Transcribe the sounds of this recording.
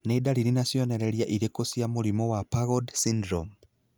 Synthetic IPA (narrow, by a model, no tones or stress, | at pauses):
nedaɾiɾinasjɔnɛɾɛɾjaʔiɾekosjamoɾimɔwapaɣɔdsindɾɔm